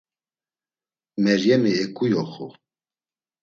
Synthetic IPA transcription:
mɛɾjɛmiɛkʼujɔχu

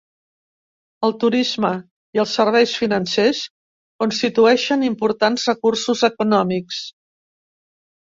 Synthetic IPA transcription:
əlˠt̪uɾizmə | iəlˠsːəɾβ̞ɛjsfinənses | kunst̪it̪uɛʃənimpuɾt̪anzrəkursuzəkunɔmiks

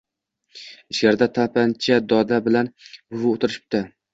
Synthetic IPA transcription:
ɪʃɡʲaɾd̪at̪ʰapʰant͡ʃʰad̪ɒd̪abɪlanbʊvʊot̪ɪɾɪʃɪ̥p̚t̪a

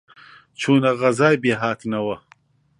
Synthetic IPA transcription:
t͡ʃʰuːnɐɣɐzaːjbeːɦaːt̪inɐwɐ

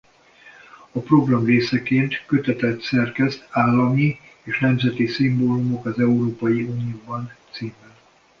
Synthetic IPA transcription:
ɒpro̞ɡrɒmreːsɛkeːnt̪kø̞t̪ɛt̪ɛt̪sɛrkɛst̪ʰaːlːɒmieːʃnɛmzɛt̪isimboːlumo̞kɒzɛuɾoːpɒjiuːnijoːbɒnt̪siːmɛn

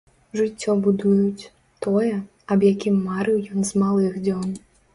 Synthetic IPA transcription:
ʐɨt͡sʲːɔbud̪ujut͡sʲ | t̪ɔjɛ | ɐbjakʲimːaɾɨwjɔnzmalˠɨxd͡zʲɔn

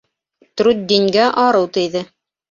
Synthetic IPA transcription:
t̪ɾud̪̚d̪iŋɡæʔɑɾɤwt̪ɘ̆jðɘ

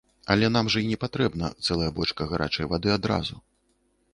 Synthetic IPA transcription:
ɐlʲɛn̪amʐɐinʲɛpat̪ɾɛbnɐ̰t̪sɛlˠɐjɐbɔt͡ʂkɐɣaɾʔa̰t͡ʂɐjvad̪ɨad̪ɾa̰zu

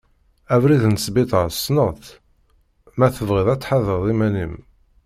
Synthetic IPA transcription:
ævɾiðnsbit̪ˤəsnəʁθ | mæθəvʁɪðˤæt͡sːħaðəðˤimænim

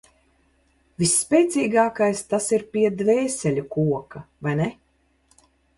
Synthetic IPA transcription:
visːpʲɛːt̪siːɡaːkajst̪asiɾpʲiɛd̪vɛːsɛlʲukuɔkavajnɛ

